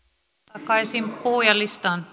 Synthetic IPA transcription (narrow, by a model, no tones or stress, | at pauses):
ɑkɑisimpuːjɑlist̪ɑnt